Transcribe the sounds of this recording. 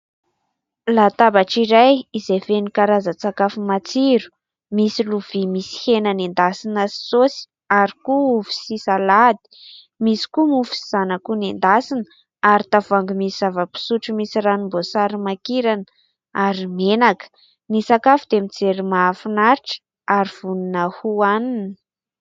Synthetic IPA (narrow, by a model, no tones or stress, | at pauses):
lat̪abaʈ͡ʂiɾajizefenikaɾazət͡sakafumat͡siɾu̥ | misiluv̥imisi̥henənend̪asinasi̥sosi̥ | aɾikuufi̥sisalad̪i̥ | misi̥kumufi̥siz̥anəkunend̪asinə | aɾit̪avaŋɡumisizavəpi̥suʈ͡ʂumisiranimbosaɾimakiɾanə | aɾimenakə̥ | nisakafud̪̥emit͡seɾimafinaɾʈ͡ʂə̥ | aɾiv̥uninəhuaninə